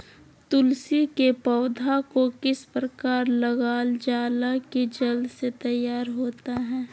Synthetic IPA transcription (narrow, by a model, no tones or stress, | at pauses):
t̪ʊlsikepɔːd̪ʱakokɪspɾəkaːɾlɐɡaːld͡ʒaːlaked͡ʒəld̪set̪ɐjːaːɾɦoːt̪aɦɛ̃ː